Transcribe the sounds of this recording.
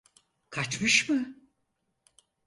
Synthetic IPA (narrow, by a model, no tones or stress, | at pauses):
kʰat͡ʃmɯʃmɯ